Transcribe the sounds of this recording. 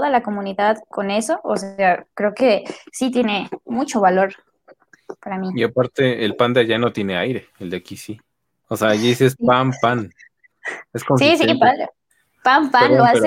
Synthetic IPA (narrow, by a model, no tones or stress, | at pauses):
ðalako̞mũniðaðko̞ne̞so̞ʔose̞akɾe̞oke̞sit̪je̞ne̞mut͡ʃo̞βalo̞ɾ | paɾamiiapaɾt̪e̞elpand̪eaʝano̞t̪je̞neajɾe̞eld̪akisi | oseaʝasiespampan | eskonsisipa | pampanloase